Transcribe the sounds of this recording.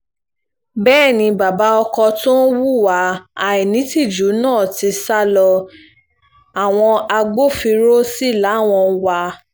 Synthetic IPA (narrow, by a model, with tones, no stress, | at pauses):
bɛː˦˨nĩ˧ba˨ba˨˦ɔ˧kɔ˧tõ˦wu˦˨wa˨˦a˨i˨nĩ˨˦ti˦˨d͡ʒu˨˦nãː˦˨ti˧sa˦lɔ˧ | a˨w̃ɔ̃˧a˧ɡ͡bo˦fi˧ɾo˦si˦˨la˨˦˨w̃ɔ̃˧wa˧